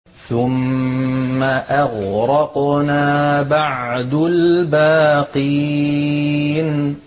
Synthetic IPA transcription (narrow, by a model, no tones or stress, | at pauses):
θʊmː | aʔaɣɾɑqnaːbaʕd̪ʊlbaːqi | n